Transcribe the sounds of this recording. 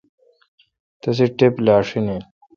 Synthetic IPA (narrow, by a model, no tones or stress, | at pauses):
t̪ɐs̬iʈeplaːʂine